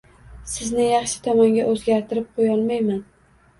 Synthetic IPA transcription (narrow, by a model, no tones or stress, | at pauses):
sɪznɪjɑχʃɪ̥t̪ʰɒmɒŋɡʲaʔɵzɡʲaɾt̪ʰɪɾɪp̚qʰojɒlˠmajman